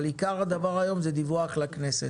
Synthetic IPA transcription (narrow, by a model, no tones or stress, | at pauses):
likaʁad̪avaʁajo̞mzed̪ivuaχlaknese